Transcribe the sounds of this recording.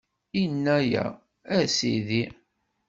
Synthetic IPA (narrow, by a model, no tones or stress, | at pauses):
inːæjæ̰ | æsḭði